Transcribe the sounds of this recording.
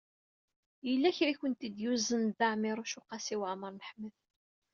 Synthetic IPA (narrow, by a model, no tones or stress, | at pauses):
jəlːæçɾiçənt̪id̪juzənd̪aʕmɪɾˤʊʃuqɑsiwaʕməɾˤnəħmːəð